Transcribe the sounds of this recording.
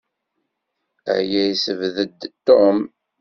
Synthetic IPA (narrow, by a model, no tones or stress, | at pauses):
ə̰jæjsəvðəd̪t̪ːom